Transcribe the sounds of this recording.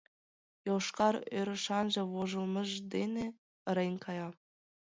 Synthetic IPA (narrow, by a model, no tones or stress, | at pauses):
joʃkɑɾøɾə̆ʃɑnʒɤ̆βoʒɤ̆lˠmɤ̆ʒd̪ene | əɾejnʲkɑjɑ